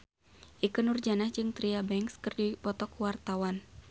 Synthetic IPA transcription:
ʔikənurd͡ʒanahd͡ʒɨŋt̪ɾiabɛŋkskɨrdipɔt̪ɔkuwart̪awan

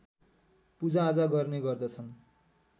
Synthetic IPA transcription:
pud͡zaːd͡zaɡʌrneɡʌrd̪ʌt͡sʰʌn

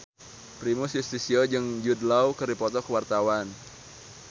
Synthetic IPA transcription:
pɾimusjust̪isiod͡ʒɨŋd͡ʒud̪lawkəɾipɔt̪ɔkəwart̪awan

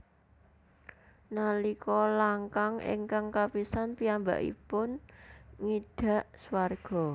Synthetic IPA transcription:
nalikɔlaŋkaŋɪ̰ŋkaŋkapisanpiamba̰ʔḭpʊnŋiɖ̥ä̤ʔswarɡ̥ɔ̤

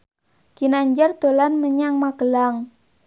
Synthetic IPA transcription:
kinaɲd͡ʒart̪olanməɲaŋmaɡəlaŋ

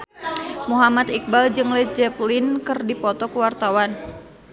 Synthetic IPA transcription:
muɦamat̪ik̚bald͡ʒɨŋlɛd͡ʒɛplinkɨrdipɔt̪ɔkuwart̪awan

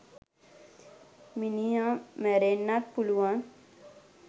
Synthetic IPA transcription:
minijãmɛɾenːat̚puluãn

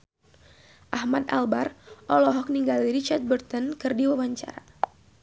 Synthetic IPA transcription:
ʔahmat̪a̰lbarʔɔlɔɦɔk̚niŋɡaliɾit͡ʃart̪̚bərt̪ənkɨrdiwawaɲt͡ʃa̰ɾa

